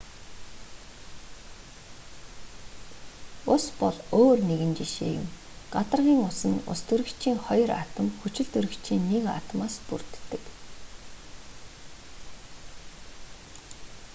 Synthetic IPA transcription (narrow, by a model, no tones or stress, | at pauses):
ʊspɔɮoːrneɣɘ̆nt͡ɕiʃḛːjʊ̰̆m | ɢ̥at̪ə̆rʁiːŋʊsɘ̆nʊ̰st̪ʰɵɾɘ̆kt͡ɕʰiːŋχɔjɞ̆ra̰t̪ə̆mxut͡ɕɪ̆ɮt̪ʰɵɾɵ̆kt͡ɕʰiːnːeka̰t̪əmaːspṵrt̪ːɘ̆k